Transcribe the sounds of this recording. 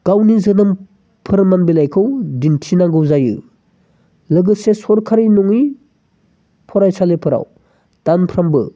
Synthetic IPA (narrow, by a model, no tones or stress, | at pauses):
ɡ̥awnizɯnɯm | pʰɯɾmanbilajkʰɯwdintʰinaŋɡɯwzajɯ̰ | lɯɡɯsesɔɾkʰaɾinɔŋi | pʰɔɾajsalepʰɯɾa̰w | d̥anpʰɾambɯ